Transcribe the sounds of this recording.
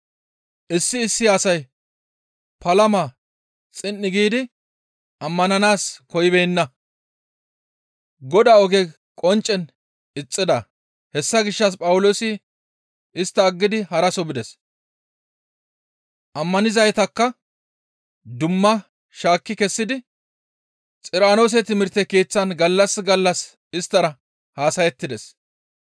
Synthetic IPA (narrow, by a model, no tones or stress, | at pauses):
ʔɪsːɪːsːɪɐsɐj | pɐlɐma | t͡sʼɪnːɪɡiːd̪ɪ | ɐmːɐnɐnaːskɔjɪbɛjnːɐ | ɡɔd̪aɔɡɛ | kʼɔnt͡ʃʼːɛn | ɪt͡sʼːɪd̪ɐ | hɛsːɐɡɪʃːɐs̬pʼɐwʊloːsɪ | ɪst̪ːɐːɡːɪd̪ɪhɐɾɐsɔbɪd̪ɛs | ʔɐmːɐnɪzɐjt̪ɐkːɐ | d̪ʊmːɐ | ʃaːkːɪkɛsːɪd̪ɪ | t͡sʼɪɾaːno̞ːs̬ɛt̪ɪmɪɾt̪ːɛkiːt͡sːɐnɡɐlːɐsɡɐlːɐs | ɪst̪ːɐɾɐ | haːsɐjɛt̪ːɪd̪ɛs